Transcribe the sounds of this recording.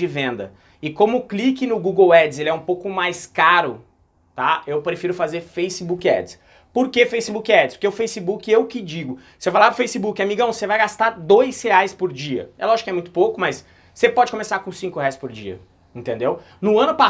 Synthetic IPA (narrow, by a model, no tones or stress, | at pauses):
ɪvẽnd̪ɐ | ɪkõmʊklikɪnʊɡuɡewɛd͡ʒɪzelɪɛũpowkʊmajskaɾʊ | t̪aewpɾefiɾʊfazeɾfejsɪbukɪɛ̰d͡ʒɪ̥s | poɾkefejsɪbukɪɛd͡ʒɪspʊɾkeʊfejsɪbukɪewkɪd͡ʒiɡʊ | sefajlapɾʊfejsɪbukɪamiɡɐ̃w̃sevajɡast̪aɾd̪ojsheajspʊɾd͡ʒiɐ̰ɛ̰lɔʒɪkɪɛmũj̃t̪ʊ̥pokʊmɐsː | epɔd͡ʒɪkomesaɾkõsĩkʊheɛajspʊɾd͡ʒḭɐ̰ | ĩnt̪ẽd̪ew | nʊɐ̃nʊpa